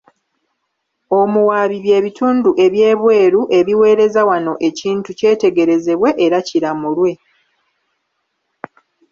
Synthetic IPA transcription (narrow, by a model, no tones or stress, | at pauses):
o̞muwaβiβje̞ːβituːnduʔe̞βje̞ːβwe̞ːɾuʔe̞βiwe̞ːɾe̞zawano̞ʔe̞ciːntuce̞ːte̞ɡe̞ɾe̞ze̞βwe̞ʔeɾaciɾamulwe̞